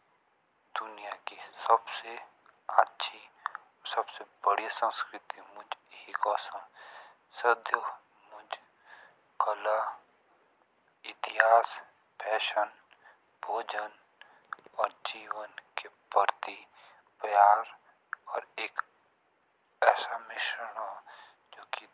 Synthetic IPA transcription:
d̪̥ʊnijakisɐbse | atːʃʰi | sɐbsebəɽisə̃nskɾɪt̪imʊd͡ʒhikɔːsã | sɪd̪ʱjo | mʊd͡ʒ | kɐla | ɪt̪ɪɦaːs | pɛːʃən | bʱoːd͡ʒən | ɔːɾd͡ʒiːʋənkepəɾt̪i | pjaːɾ | ɔːɾeːk | ɛːsamɪʃəɳa | d͡ʒoːki

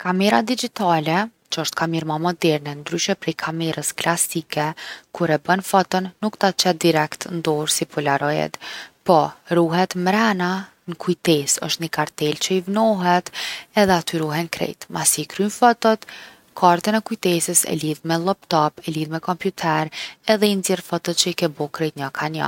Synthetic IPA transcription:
kamɛɾad̪id͡ʒit̪alɛt͡ʃəəʃt̪̚kamiɾmamɔd̪ɛɾnɛnd̪ɾyʃɛpɾɛjkʰamɛɾəsklasikɛkuɾɛbənfɔt̪ənːukt̪at͡ʃɛd̪iɾɛkt̪nd̪ɔɾsipulaɾɔjɛ̰t̪pɔɾuɦɛt̪mɾɛna | nəkujt̪ɛsə̰ʃt̪ɲəkaɾt̪ɛlt͡ʃəivnɔɦɛt̪ɛðɛat̪yɾuɦɛnkɾɛ̰jt̪masikɾynfɔt̪ɔt̪ | kʰaɾt̪ɛnɛkujt̪ɛsəsɛ̰liðmɛlˠɔpt̪ɔpɛliðmɛkɔmpjut̪ʰɛɾɛðɛinzɛɾfɔt̪ət̪t͡ʃəikɛbɔkɾɛjt̪ɲakʰana̰

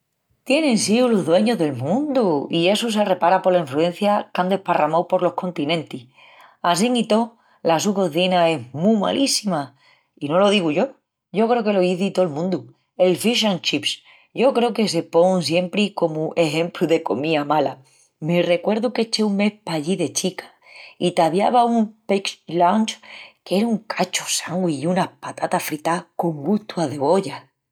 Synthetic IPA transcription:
t̪je̞nẽ̞nsiulo̞ɦðwe̞ɲo̞ɦðe̞lmũnd̪uie̞susere̞paɾapo̞ɾlaiɱflue̞n̟θjakand̪e̞hparamawpo̞ɾlo̞hkõ̞nt̪inẽ̞nt̪ih | as̬iŋit̪o̞ | lasuko̞θinae̞ɦmuma̰lʔisima | ino̞lo̞ð̞iɣuʝo̞ | ʝo̞kɾe̞oke̞lo̞iθit̪o̞lmũnd̪u | e̞lfiʃ̬ant͡ʃips | ʝo̞kɾeoke̞s̬e̞po̞ŋs̬je̞mpɾiko̞muʔeɦẽ̞mpluðe̞ko̞miamala̰ | mere̞kwe̞ɾðuket͡ʃe̞uŋme̞hpaʎiðe̞t͡ʃikḁ | it̪aβjaβaumpeklant͡ʃke̞ɾauŋkʰat͡ʃosaŋɡwiunapat̪at̪afɾit̪ako̞ŋɡuht̪uaðe̞βo̞ʎa

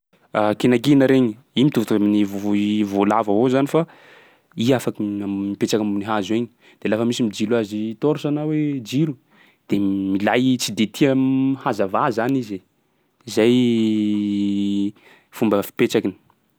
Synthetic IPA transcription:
akinakinəɾeɲi | imit̪uvt̪uaminivoivolavavozanifa | iafakiammipet͡ʃakamniɦazueɲi̥ | d̪̥elafəmisimid͡ʒilazit̪oɾusanawed͡ʒilu | d̪̥emilajt͡sid̪et̪ʰiəhazavazanizi | izaj | fumbəfi̥pet͡ʃakini̥

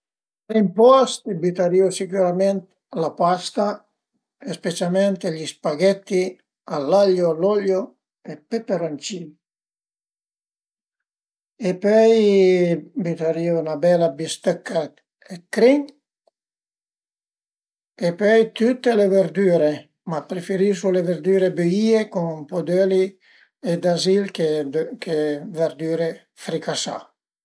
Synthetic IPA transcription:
ɾimpɔst̪bit̪aɾiːusikuɾament̪ | lapast̪a | espet͡ʃalmɛnt̪eʎispaɡɛt̪ːi | alːaʎːoalɔʎːo | epːepːeɾont͡ʃiː | epɔj | bit̪aɾiːnabɛlabist̪əkːa | ekːɾiŋ | epøjt̪ut̪ːeleveɾd̪yːɾe | mapːɾefeɾisuleveɾd̪yːɾebøiːekuŋpod̪øli | ed̪azilkekʰeveɾd̪yːɾe | fɾikasa̰

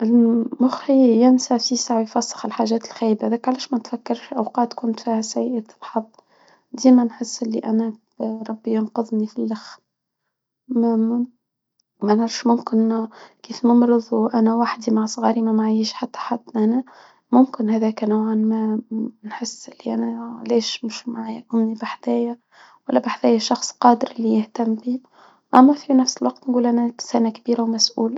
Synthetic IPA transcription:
ʔɪlmʊxhɪjjɪnsaʕfisaʕwijfɑsˤːɑ̥xɪlħaʒæːt̪ɪlxæːjbæðæːkʕalæːʃmænt̪fækːɑɾˤʃʔawqɑːt̪kʊnt̪fiːhæsæjʔat̪lħɑd̪ˤː | d̪iːmænħɪsːʔɪlːḭʔænæ | ɾˤɑbːijɑnqʊðˤnifilːax | m | mænʕɑɾʃmʊmkɪnkiːfmɑmɾɨðˤwʔænæwaħd̪imaʕsˤɣɑːɾimæmaʕajiʃħat̪ːḁħad̪ʔænæ | mʊmkɪnhæðæːknawʕanmænħɪsːʔɪlːiʔæ̰næleːʃmʊʃmaʕaːjaʔʊmnibaħd̪æːjæ | wælːæbaħðæːjæʃɑxsˤqɑːd̪əɾɪlːijɪht̪æmːbiː | ʔæmːæfinæfsɪlwɑqt̪nɡuːlʔænæsænækbiːɾawmæsʔṵːl

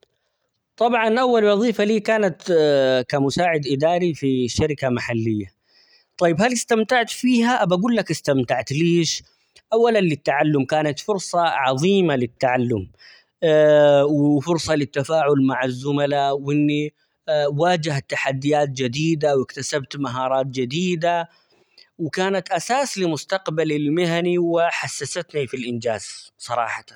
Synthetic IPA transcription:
t̪ˤɑbʕɑnʔawːalwɑðˤiːfaliːkaːnat̪kamʊsaːʕɪd̪ʔɪd̪aːɾifiʃːaɾɪkamaħalːɪjːa | t̪ˤɑjːbhalɪst̪amt̪aʕt̪fiːɦaʔabaɡuːlːakɪst̪amt̪aʕt̪liːʃ | ʔawːalanlɪt̪ːaʕalːʊmkaːnat̪fʊɾsˤɑʕɑðˤiːmalɪt̪ːaʕalːʊm | wɪfʊɾsˤɑlɪt̪ːafaːʕʊlmaʕazːʊmalawʔɪnːi | waːd͡ʒɪhat̪ːaħad̪ːɪjaːt̪̚d͡ʒɪd̪iːd̪awɪkt̪asabt̪maɦɑːɾˤɑːt̪̚d͡ʒɪd̪iːd̪a | wɪkaːnat̪ʔasaːslɪmʊst̪ɑqbalɪlmɪɦaniwɪħasːasat̪nifilʔɪnd͡ʒaːz̥sˤɑɾˤɑ̰ːħɑ̥t̪an

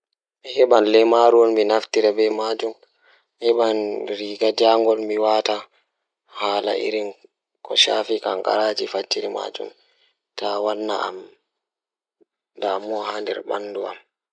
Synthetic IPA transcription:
mihɛɓanlɛmaɾuwɔnminaftiɾabɛmad͡ʒum | hɛɓanɾiːɡad͡ʒaŋɡɔlmiwata | haːla̰ʔḭɾin | kʰɔʃafikaŋka̰ɾaːd͡ʒifat͡ʃːiɾima̰ːd͡ʒṵm | tawanːa̰a̰m | damːɔhandɛ̰ɾba̰nːdua̰m

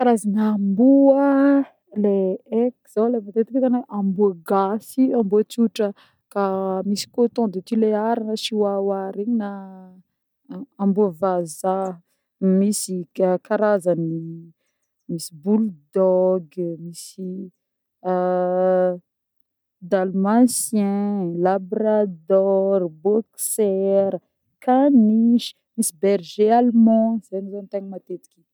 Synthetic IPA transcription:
kaɾazanːmbuə | leekz̥awlemat̪et̪ikakaneʔambuəɡasiambuət͡suʈ͡ʂə | kamisi̥kot̪õd̪et̪ileaɾanəʃiwawaɾeɲina | ambuəvaza | misikaɾazəni | misibuld̪ɔɡmisi | d̪almãsjɛ̃labɾad̪ɔrbɔksɛɾ | kaniʃi̥ | misibɛrʒealmɔ̃zenizanit̪aɲimat̪et̪i̥kʲi

